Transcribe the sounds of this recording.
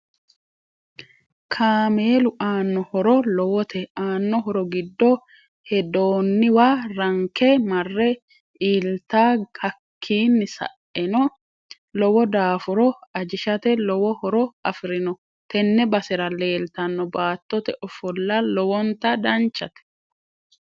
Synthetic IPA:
kʰaːmeːlʊʔaːnːɔhɔɾɔlɔwɔt̪ʰɛaːnːɔɦɔɾɔɡɪd̪ːɔ | hɛd̪oːnːɪwaːɾɐŋkɛmɐrːɛ | ʔiːlt̪aːhɐkʰːiːnːɪsɐ̰ʔɛnɔ | lɔwɔd̪aːfʊɾɔɐd͡ʒɪʃɐt̪ɛlɔwɔhɔɾɔɐfɪɾɪnɔ | t̪ɛnːɛbɐsɪɾɐle̞ːlt̪ɐnːɔbaːt̪ːɔt̪ɛʔɔfɔlːɐlɔwɔnt̪ɐd̪ɐnt͡ʃːɐt̪ɛ̥

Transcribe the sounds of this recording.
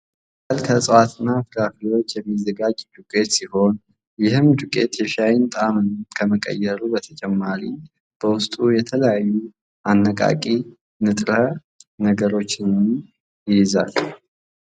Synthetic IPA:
alkʰəsʼəwat̪ɨnːafɨɾafiwo̞t͡ʃːjɛmːizːəɡad͡ʒd̪ukʼe̞t̪siho̞n | jɪhɨmd̪ukʼe̞t̪jɛʃajɪnt̪ʼamɨnkʰəməkʼə̰jːɛɾubət̪ʰət͡ʃʼɛmːaɾi | b̥əwʊst̪ʼujɛt̪ʰələjajːu | ʔanːəkʼa̰kʼi | nɨt̪ʼɾə | nəɡəɾo̞t͡ʃːɪnɨn | jɪjɪza̰l

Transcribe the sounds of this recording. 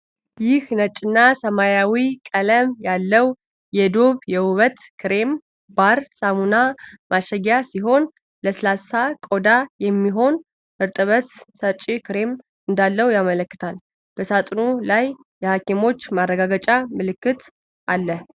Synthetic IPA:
jɪhnət͡ʃʼːɪnːasəmajawikʼələmjalːəw | jɛd̪o̞βjɛwuβət̪kʰɨɾe̞m | b̥aɾsamunamʔaʃəɡjasiɦo̞n | ləsɨlasakʼo̞d̪ajɛmːiɦo̞n | ʔɨɾt̪ʼɨβəssət͡ʃʼːikɨɾe̞m | ɨnd̪alːəwjamələkːɨt̪ʰal | b̥əsat̪ʼnulajː | ɛhakemo̞t͡ʃːmarːəɡaɡət͡ʃʼamɨlɨkːɨt̪ | ʔalːə

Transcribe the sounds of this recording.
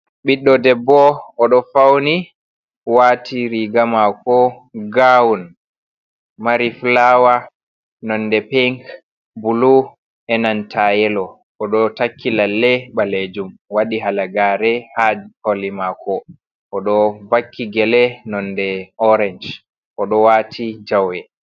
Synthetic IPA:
ɓiɗːɔdɛbːɔɔɗɔfawni | watʰiɾiɡamakɔ | ɡawun | maɾiflawa | nɔndɛpɛŋk | bulu | ʔɛnantʰajɛlɔ | ʔɔɗɔtakʰːilalːɛɓaled͡ʒumwaɗiɦalaɡaːɾɛhad͡ʒholimakʰɔ | ʔɔɗɔbakːiɡɛlɛnɔndɛɔɾɛnd͡ʒ | ʔɔɗɔwatʰid͡ʒawɛ

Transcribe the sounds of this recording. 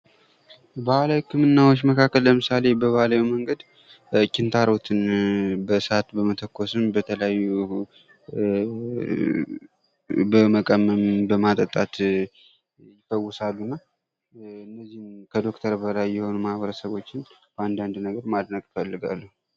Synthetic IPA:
bahlawikʰɨmɨnːawot͡ʃːməkʰakːəlləmɨsale̞bəβahlawiməŋɡəd̪ | kːɪnt̪ʰaɾot̪ʰɨnbəsat̪bəmət̪ʰəkʰːo̞sɨmbət̪ʰələjajːu | bəməkʼəmːəmbəmat̪ʼət̪ʼat̪ | jɪfəwːʊsalːunːa | ɨnːəzːihnkʰəd̪o̞kt̪ʰəɾbəlajːɛho̞numahβəɾəsəβo̞t͡ʃːɪnb̥əand̪and̪nəɡəɾmad̪nəkʼfəlːɨɡa̰lːəhu

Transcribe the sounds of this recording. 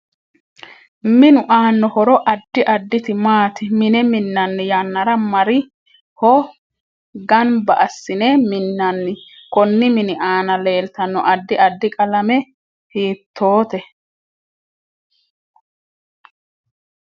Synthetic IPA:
mɪnʊʔaːnːɔhɔɾɔʔɐd̪ːɪʔɐd̪ːɪt̪ɪmaːt̪ɪmɪnɛmɪnːɐnːɪjanːɐɾɐmɐɾɪ | hɔ | ɡɐnbɐʔɐsːɪnemɪnːɐnːɪkɔnːɪmɪnɪʔaːnɐle̞ːlt̪ɐnːɔʔɐd̪ːɪʔɐd̪ːɪkʼɐlɐmɛ | hiːt̪ʰːo̞ːt̪ɛ

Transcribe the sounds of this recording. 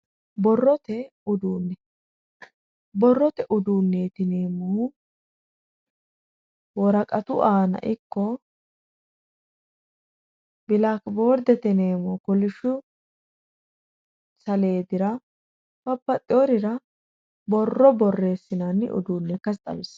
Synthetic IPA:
bɔrːɔt̪ɛ | ʊd̪uːnːɛ | bɔrːɔt̪ɛʔʊd̪uːnːeːt̪ɪneːmoː | wɔɾɐkʼɐt̪ʊ̰ʔaːnɐ̰ʔɪkːɔ | bɪlakbo̞ːɾd̪ɛt̪ɪne̞ːmoːkɔlɪʃʊ | sɐle̞ːd̪ɪɾɐ | bɐbːɐt̪ʼːɪɔɾɪɾɐ | bɔrːɔbɔrːe̞ːsːɪnanːɪ̰ʔʊ̰d̪uːnːɛkɐst̪ʼɐ̰mɪs

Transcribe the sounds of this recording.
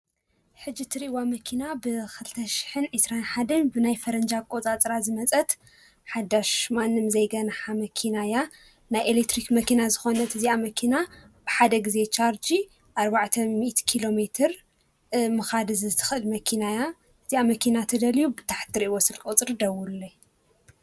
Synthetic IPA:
ħɨd͡ʒit̪ʰɨɾiʔwamɐkʰinabɨkʰɨlɨt̪ʰɐʃi̥ħɨnʕɨsɾanħad̪ɐnbɨnajfɐɾɐnd͡ʒakʼo̞t͡sʼat͡sʼɾazɨmɐt͡sʼɐt̪ | ħad̪aʃmanːɨmzɐjɡɐnaħamɐkʰinaja | najelek̚t̪ʰɾikmɐkʰinazɨxo̞nɐt̪ʰɨziamɐkʰina | b̥ɨħad̪ɐɡize̞t͡ʃʰaɾd͡ʒi | ʔaɾbaʕt̪ʰɐmiʔt̪kʰilo̞met̪ʰɨɾ | mɨxad̪ɨzɨt̪ʰɨ̥xʔɨlmɐkʰinaja | ɨtiamɐkʰinat̪ʰɐd̪ɐlijubɨt̪ʰḁħt̪ɨɾiʔwosɨlkʼt͡sʼɨɾd̪ɐwulɐ

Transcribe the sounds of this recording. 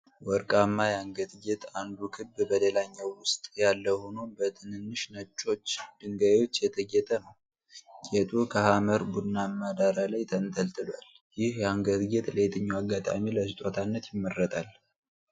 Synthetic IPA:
wɔɾkʼamːajaŋɡət̪ɡet̪ʼand̪ukʰɨbbəlelaɲːawːʊst̪ʼjalːəhonobət̪ʰɨnɨnːɨʃnət͡ʃʼːo̞t͡ʃːd̪̥ɨŋɡajot͡ʃːjɛt̪ʰəɡɛt̪ʼənəw | ɡet̪ʼukʰəhaməɾbud̪nːamːad̪aɾalajt̪ʰənt̪ʰəlt̪ʰɨlal | jɪhjaŋɡət̪ɡet̪ʼlet̪ʰʼɨɲːuaɡːat̪ʼa̰miləsɨt̪ʼot̪ʰanːət̪jɪmːərːət̪ʼal

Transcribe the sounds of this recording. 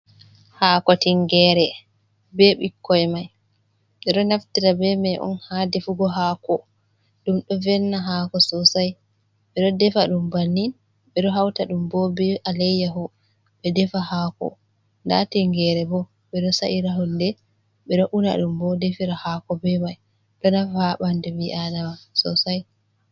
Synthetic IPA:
haːkɔtiŋɡɛɾɛ | bɛɓikːɔjɛmaj | ɓɛɗɔnaftiɾabɛmajʔɔ̰nhadefuɡɔɦaːkɔ | ɗumɗɔvɛnːaɦakɔsɔsaj | ɓɛɗɔdɛfaɗumbanːin | ɓɛɗɔɦawtaɗumbɔbɛʔalɛjaɦɔ | ɓɛdɛfahakɔ̰ | nda̰tiŋɡɛɾɛbɔ | ɓɛɗɔsaʔiɾaɦundɛ | ɓɛɗɔʔuna̰ɗumbɔdefiɾahakɔbɛmaj | ɗɔnafahaɓandɛwiʔanawasɔ̰saj

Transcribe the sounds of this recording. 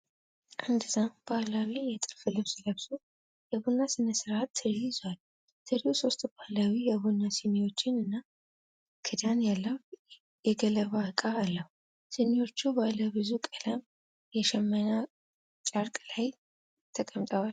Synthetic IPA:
ʔand̪ɨzambalawijɛt̪ʼɨlfɨlɨwsɨləβso | jɛβunːasɨnəsɨɾat̪ːɨɾizwal | t̪ʰɨɾihuso̞st̪ʼbahlawijɛβunːasɨniwo̞t͡ʃːɪnɨnːa | kʰɨd̪anjalːəhu | jɛɡələβakʼaːlːəhu | sɨniwo̞t͡ʃːubaləbɨzukʼələm | jɛʃɛmːəna | t͡ʃʼaɾkʼlaj | t̪ʰəkʼəmt̪ʼəwal

